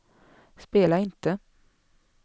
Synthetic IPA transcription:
speːlaɪnt̪ə

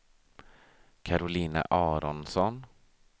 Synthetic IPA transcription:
kʰaɾʊliːna̰ʔɑːɾɔnsɔn

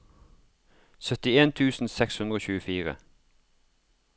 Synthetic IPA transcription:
sœt̪ɪeːnt̪ʰʉːsn̩sɛkshʉnd̪ʁəoːçʉːəfiːʁə̰

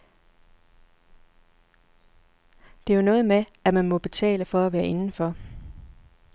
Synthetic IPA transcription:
d̥e̝onɔ̽ːð̞̩ˠmeæmænmɒ̽b̥e̝t͡sʰɛ̰ːləfɒ̽æʋæːɐʔe̝nn̩fɒ̽

